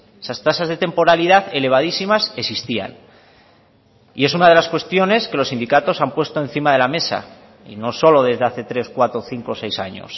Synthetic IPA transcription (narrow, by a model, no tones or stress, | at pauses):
esast̪asazðe̞t̪e̞mpo̞ɾaliðaθe̞le̞β̞að̞isimasesist̪ia̰n | ḭe̞s̬unað̞e̞laskwe̞st̪jo̞ne̞skelo̞sind̪ikat̪o̞sampwe̞st̪o̞en̟θimaðe̞lame̞sa̰ | ḭno̞so̞lo̞ð̞e̞zð̞aθe̞t̪ɾe̞skwat̪ɾoθiŋko̞se̞jsa̰ɲo̞̰s